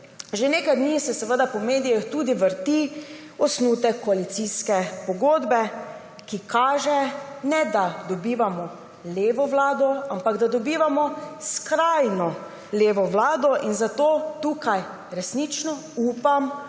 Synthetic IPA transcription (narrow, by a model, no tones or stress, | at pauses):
ʒeneːkajd̪nisɛsɛʋəd̪apɔmeːd̪ijixt̪uːd̪iʋəɾt̪i | ɔsnuːt̪ɛkːɔalit̪siskɛpɔɡoːd̪bɛ | kikaːʒɛnɛd̪ad̪ɔbiːʋamɔ | leːʋɔʋlaːd̪ɔampaɡd̪ad̪ɔbiːʋamɔskɾajnɔ | leːʋɔʋlaːd̪ɔʔinzat̪oːt̪uːkaj | ɾɛsnit͡ʃnɔ | uːpam